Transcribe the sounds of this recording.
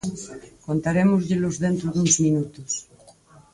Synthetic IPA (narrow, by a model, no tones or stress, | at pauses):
kõnt̪aɾemozʎelozðent̪ɾoðunzmĩnut̪os